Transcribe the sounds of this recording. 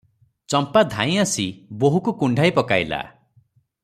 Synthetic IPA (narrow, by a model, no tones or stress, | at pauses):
t͡ʃɔmpad̪ʱã̰j̃asiboɦukukuɳɖʱajpɔkajla̰